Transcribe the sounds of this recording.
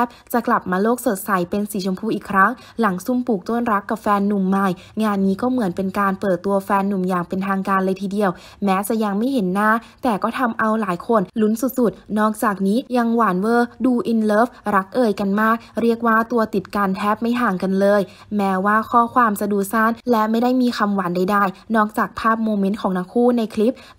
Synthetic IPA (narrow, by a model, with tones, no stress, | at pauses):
ɛ˦˥p̚t͡ɕa˨˩kla˨˩p̚maː˧loː˥˩k̚so˨˩t̪̚sa˨˩˦jpe˧nsiː˨˩˦t͡ɕʰo˧mpʰuː˧˩ʔiː˨˩kʰɾa˦˥ŋ | la˩˦ŋsu˥˩mpuː˨˩k̚t̪o˥˩˨nɾa˦˥kːa˨˩p̚fɛː˧nːu˨˩mːa˧˩j | ŋaː˧nːiː˦˥kɔː˥˩mɯ˩˦ənpe˧nkaː˧npɤː˨˩t̪ːu˧ɐfɛː˧nːu˨˩mjaː˨˩ŋpe˧nt̪ʰaː˧ŋkaː˧nlɤː˧jt̪ʰiː˧di˧əw | mɛː˦˥t͡ɕa˨˩ja˧ŋma˥˩jɦe˩˦nːaː˥˩t̪ɛː˨˩kɔː˥˩t̪ʰa˧mʔa˧wlaː˩˦jkʰo˧nlu˦˥nsu˨˩t̪̚su˨˩t̪̚nɔː˥˩k̚t͡ɕaː˨˩k̚niː˦˥ja˧ŋwaː˩˦nwɤː˧˩duː˧ʔi˧nlɤː˦˥fɾa˦˥k̚ʔɤː˧jka˧nmaː˥˩k̚ɾi˥˩ək̚waː˥˩t̪u˧ɐt̪i˨˩t̪̚kaː˧nt̪ʰɛː˦˥p̚ma˥˩jɦaː˨˩ŋka˧nlɤː˧j | mɛː˦˥waː˥˩kʰɔː˥˩kʰwaː˧msa˧duː˨˩saː˥˩nlɛ˦˥ma˥˩jda˥˩jmiː˧xa˧mwa˩˦nda˥˩jdaː˥˩jnɔː˥˩k̚t͡ɕaː˨˩k̚pʰaː˥˩p̚moː˧me˦˥ntkʰɔː˩˦ŋna˦˧˥kʰuː˥˩na˧jkʰli˦˥p̚